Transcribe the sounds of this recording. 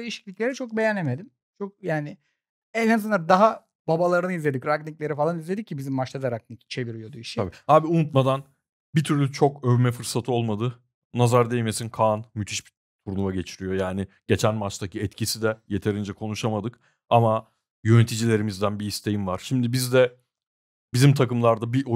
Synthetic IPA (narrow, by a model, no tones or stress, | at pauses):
d̪ejiʃi̥clʲiclʲe̞ɾɛt͡ʃʰok̚be̞janːeme̞d̪im | t͡ʃʰok̚jaːnɪ | ɛnansɯnad̪aɦa | babalˠaɾɯnɯizlʲe̞d̪icɾakniclʲe̞ɾifalˠanizlʲed̪icʰːibizimːaʃlˠad̪aɾak̚nict͡ʃʰe̞viɾyjod̪uiʃabihaːbiunut̪mad̪an | bit̪ʰyɾlʲyt͡ʃʰo̞køvmɛfɯɾsat̪ʰɯo̞lˠmad̪ɯ | nazaɾd̪ejme̞sinkʰaːnmyt̪ʰiʃbi | t̪ʰuɾnumaɟe̞t͡ʃʰiɾijo̞jaːnɪɟ̥e̞t͡ʃʰænmat͡ʃt̪acʰiɛt̪cʰisid̪ɛje̞t̪ʰe̞ɾind͡ʒɛkʰo̞nuʃamad̪ɯk | ama | jø̞net̪ʰid͡ʒilʲe̞ɾimizd̪ænbiist̪ʰe̞jimvaɾ̥ʃimd̪ibizd̪ɛ | bizimt̪ʰakɯmlˠaɾd̪abiʔo